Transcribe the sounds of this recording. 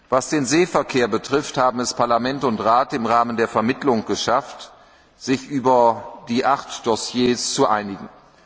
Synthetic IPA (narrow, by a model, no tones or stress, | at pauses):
vasd̥eːnzeːfɛɐkʰeːɐbətʁ̥ɪfthaːbm̩ɛspʰaɐlamɛntʊntʁaːtɪmʁaːməndeːɐfɛɐmɪtlʊŋɡ̥əʃaft | z̥ɪçʔyːbɐdiːʔaχtd̥ɔsjeːst͡suʔaɪnɪɡŋ̩